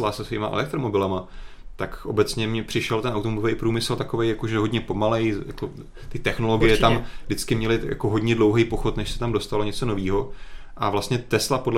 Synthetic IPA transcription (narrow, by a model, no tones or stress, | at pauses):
lasɛsviːmaʔɛ̰lɛk̚t̪ɾo̞mo̞bɪlɛma | t̪akʔo̞bɛt͡sɲɛmɲɛpr̥ɪʃɛlt̪ɛnʔawt̪omoɪvejpɾuːmɪsl̩t̪ako̞vejjako̞ʒɛɦo̞dɲɛpo̞malɛjjako | t̪ɪt̪ɛxno̞lo̞ɡɪjɛt̪amdɪt͡skɪmɲɛlɪjʔa̰ko̞ɦo̞dɲɛdlo̞wɦɛjpo̞xo̞t̪nɛʃsɛ̥t̪amdo̞st̪alo̞ɲɛt͡so̞no̞viːɦo̞ʔavlast̪ɲɛt̪ɛslapodl